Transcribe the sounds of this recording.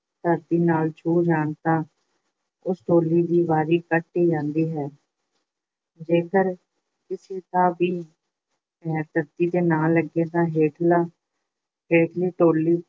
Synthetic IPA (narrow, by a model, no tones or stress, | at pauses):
t̪əɾd̪iːnaːlt͡ʃʰuːd͡ʒaːɳt̪ãː | ʊsʈoːlːiːd̪iːbaːɾiːkəʈːiːd͡ʒãːnd̪iːɦɛː | d͡ʒeːkəɾ | kɪseːt̪ãːbiː | ɛːt̪əɾd̪iːd̪eːnaːlːəɡeːt̪ãːɦeːʈlaː | ɦeːʈʰliːʈoːliː